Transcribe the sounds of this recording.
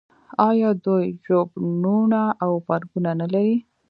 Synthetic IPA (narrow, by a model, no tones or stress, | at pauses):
ɑjɑd̪ujʒobnunaʔawfaɾɡunanalaɾi